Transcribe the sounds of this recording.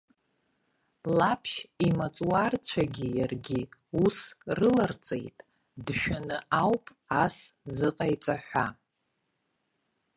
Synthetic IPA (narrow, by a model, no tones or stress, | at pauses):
lapʰʃimat͡sʼuwart͡ɕʷʰaɡʲijarɡʲiusrɨlart͡sʼḛjtʼ | dʃᶣanɨawpʼ | aszɨqʼajt͡sʼaħᶣʷa